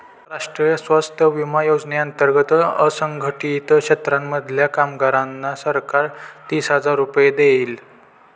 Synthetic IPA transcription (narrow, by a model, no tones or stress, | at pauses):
ɾaʂʈɾijəsʋast̪ʰəʋimajod͡zneənt̪əɾɡət̪əsəŋɡʱəʈit̪kɕet̪ɾamːəd̪ʱljakamɡaɾanːasəɾkaɾt̪iːsɦəd͡zaɾːupjed̪eiːl